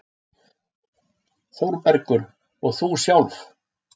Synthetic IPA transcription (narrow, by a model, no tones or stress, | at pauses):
fowɾpɛɾkʏɾ | ɔɣθusjawlf